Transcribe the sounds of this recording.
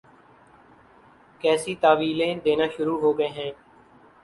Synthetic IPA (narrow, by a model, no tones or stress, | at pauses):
kɛːsiːt̪aːʋiːlẽːd̪eːnaːʃʊɾuːɦoːɡəeːɦɛ̃ː